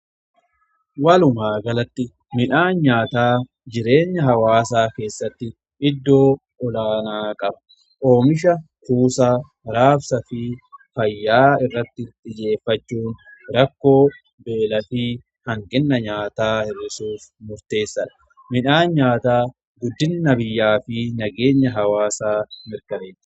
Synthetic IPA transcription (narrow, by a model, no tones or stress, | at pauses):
wɐlʊmaːɡɐlɐt̪ːɪ | mɪᶑaːnɲaːt̪aː | d͡ʒɪɾe̞ːɲːɐɦɐwaːsaːke̞ːsːɐt̪ːɪ | ʔɪd̪ːo̞ː | ɔlaːnaːkʼɐbɐ̥ | ʔo̞ːmɪʃɐkuːsaː | ɾaːfsɐfifɐjːaːɪrːɐt̪ːɪt̪ʼɪd͡ʒe̞ːfːɐt͡ʃːuːn | ɾɐkːo̞ː | be̞ːlɐfɪ | hɐŋkɛnːɐɲaːt̪aːhɪrːɪsuːfmʊɾt̪e̞ːsːɐᶑɐ̥ | mɪᶑaːɲaːt̪aː | ɡʊd̪ːɪnːɐbɪjːaːfɪnɐɡe̞ːɲːɐɦɐwaːsaːmɪɾkɐmeːt̪ː